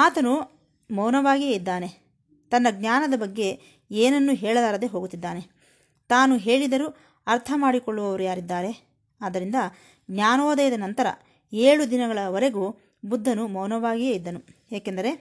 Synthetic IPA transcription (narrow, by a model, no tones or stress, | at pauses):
aːt̪ɐnu | mɐwnɐʋaːɡijeid̪ːaːne̞ | t̪ɐnːɐɡnaːnɐd̪ɐbɐɡːe̞ | eːnɐnːuɦɛːɭɐd̪aːɾɐd̪eɦoːɡut̪ːid̪ːaːne̞ | t̪aːnuɦe̞ːɭid̪ɐɾu | ɐɾt̪ʰɐmaːɽikɔɭːuʋɐʋɐɾujaːɾid̪ːaːɾe̞ | aːd̪ɐɾind̪ɐ | ɡnaːnɔːd̪ɐjɐd̪ɐnɐnt̪ɐɾɐ̰ | eːɭud̪inɐɡɐɭɐʋɐɾe̞ɡu | bud̪ʱːɐnumɐwnɐʋaːɡijeid̪ːɐnu | eːkend̪ɐɾe̞